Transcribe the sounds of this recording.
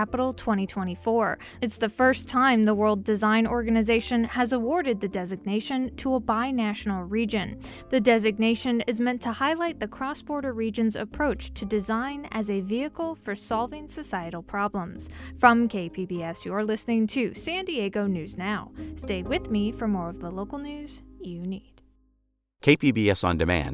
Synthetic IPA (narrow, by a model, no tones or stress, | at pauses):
æpəɾl̩ˠtʰw̥ɛ̃ɾ̃itʰw̥ɛ̃ɾ̃ifɔɹ | ɨtsðɨfɜ˞stʰãɪ̃mðəwɜ˞lˠdɨzãɪ̃nɔɹɡɨnɨzeɪʃɨ̃nɨzəwɔɹɾɨd̪̚ðɨdɛzɨɡ̚neɪʃɨ̃ntʰəəbaɪnæʃn̩l̩ˠɹid͡ʒɨ̃n | ðɨdɛzɨɡ̚neɪʃɨ̃nɨzmɛ̃ntʰəhaɪlaɪt̪̚ðɨkʰɹ̥ɔsb̥ɔɹɾə˞ɹid͡ʒɨ̃nzɨ̰pʰɹ̥oʊt͡ʃtʰɨdɨzãɪ̃nɨ̰zɨviɨkl̩ˠfə˞sɑlˠvɪ̃ŋsɨsaɪɨɾl̩ˠpʰɹ̥ɑblə̃mz̥fɹʌ̃mkʰeɪpʰibiɛsjə˞lɪsnɪ̃ŋtʰɨsæ̃ndieɪɡoʊnʉznaʊsteɪwɪðmifə˞mɔɹʌvðəloʊkl̩ˠnʉz̥jɨnid̥ | kʰeɪpʰibiɛsn̩dɨmæ̰̃n